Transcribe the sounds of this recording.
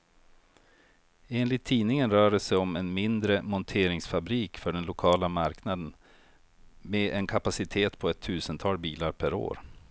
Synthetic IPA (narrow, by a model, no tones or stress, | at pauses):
eːnlɪt̪ʰːiːnɪŋənɾœːɖəsɛjɔmɛnmɪnd̪ɾəmɔnt̪ʰeːɾɪŋsfabɾiːkfœɖɛnlʊkʰɑːlamaɾknad̪ən | meʔɛnkʰapasɪt̪ʰeːt̪pʰɔɛt̪ʰːʉ̟ːsənt̪ʰɑːlbiːlaɾpʰæɾo̰ːɾ